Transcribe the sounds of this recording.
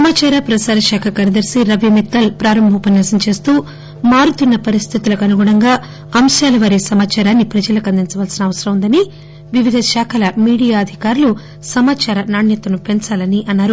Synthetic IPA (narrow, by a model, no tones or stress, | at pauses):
sɐmaːt͡ʃaːɾapɾɐsaːɾɐʃaːkʰɐkɐɾɐd̪ɐɾsiɾɐʋimit̪ːɐlpɾaːɾɐmbʱɐːpɐnːasɐmt͡ʃe̞ːst̪uː | maːɾut̪unːɐpɐɾist̪ʰit̪ulɐkɐnuɡɔɽɐŋɡaː | ɐmʃaːlɐʋaːɾisɐmaːt͡ʃaːɾaːnːipɾɐd͡ʒɐlɐkɐnd̪int͡ʃɐʋaːlsinɐʋɐsɐɾɐmund̪ɐni | ʋiʋid̪ʱɐʃaːkʰɐlɐmiːɽijaːɐd̪ʱikaːɾulu | sɐmaːt͡ʃaːɾɐnaːɳjɐt̪ɐnupe̞nt͡ʃaːlɐniʔɐnːaːɾu